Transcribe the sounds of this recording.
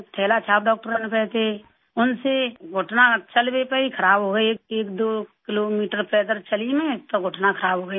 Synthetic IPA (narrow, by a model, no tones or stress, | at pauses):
t̪ʰɛːlat͡ʃʰaːp̚ɖɔːk̚ʈəɾənpɛːt̪e | ʊnseɡʱʊʈnat͡ʃəlbepəikʰəɾaːbɦoːɡəiekeːkd̪oːkɪloːmiːʈəɾpɛːt̪əɾt͡ʃəlimẽt̪oɡʱʊʈnakʰəɾaːbʱɦoːɡəi